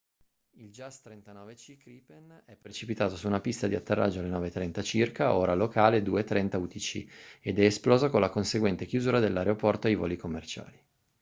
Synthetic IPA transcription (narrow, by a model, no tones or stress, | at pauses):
ild͡ʒast̪ɾent̪anɔːvet͡ʃikɾipenɛpːɾet͡ʃipit̪aːt̪osuːnapist̪ad̪iat̪ːerːʔa̰d͡ʒːoalenɔːvet̪ːɾɛnt̪at͡ʃirkaoːɾalokaːled̪uːet̪ːɾɛnt̪aut̪it͡ʃḭed̪ɛːsplɔːzokonlakonseɡwɛnt̪ek̟juzuːɾad̪elːaɾeopɔrt̪oajvɔ̰ːlikomːert͡ʃa̰ːli